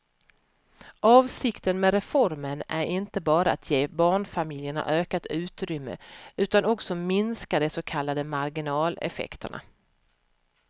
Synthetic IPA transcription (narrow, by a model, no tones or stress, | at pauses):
ʔɑːvsɪkt̪ənmeːɾɛfɔɾmənæɾɪnt̪əbɑːɾaat̪ʰjeːbɑːɳfamɪljəɳa̰ʔøːkat̪ʉ̟ːt̪ɾʏmːə̰ʉ̟ːt̪anɔksɔmɪnskad̪ɛsɔkʰalːad̪əmaɾɡɪnɑːlɛ̰fɛ̰kt̪ʰə̰ɳa̰